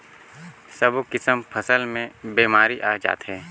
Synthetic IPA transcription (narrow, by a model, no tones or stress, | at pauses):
səbkɪsəmpʰəsəlmẽbeːmaːɾiʔaːd͡ʒa̰ːt̪ɦɛː